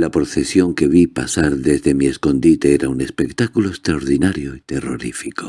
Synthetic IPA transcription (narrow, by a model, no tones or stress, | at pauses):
lapɾoθe̞sjo̞ŋke̞β̞ipasaɾðe̞zðe̞mie̞sko̞nd̪it̪eeɾaune̞spe̞kt̪akuloest̪ɾaoɾðinaɾjoit̪e̞ro̞ɾifiko